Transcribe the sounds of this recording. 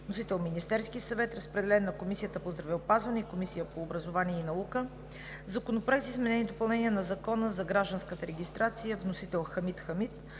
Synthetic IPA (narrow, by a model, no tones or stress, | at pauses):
nosit̪ɛlˠminist̪ɛɾskisɐvɛt̪ɾəspɾɛd̪ɛlɛnːɐkomisijət̪əpozd̪ɾɐvɛopazvɐnɛikomisijəpoːbɾəzovaniɛinɐukə | zɐkonopɾɛɛzizmɛnɛnid̪opɐlˠnɛniənɐzɐkɔnəzɐɡɾaʒd̪ənskət̪əɾɛɡʲist̪ɾat̪sijəvnosit̪ɛlˠxɐmit̪xɐmit̪